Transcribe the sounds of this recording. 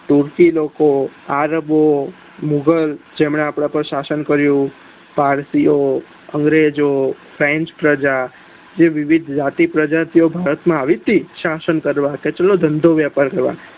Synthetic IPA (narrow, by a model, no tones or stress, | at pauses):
t̪uɾkilokoaɾəbo | muɡəld͡ʒemɳeapɽ̃ãpəɾʃasənkəɾjũ | paɾsijo | əŋɡɾed͡ʒofʰɾẽɲt͡ʃpɾəd͡ʒa | d͡ʒeʋɪʋid̪ʱd͡ʒat̪ipɾəd͡ʒat̪iobʱaɾət̪mãaʋit̪iʃasənkəɾʋãket͡ʃəlod̪ʱənd̪ʱoʋjapaɾkəɾʋa̰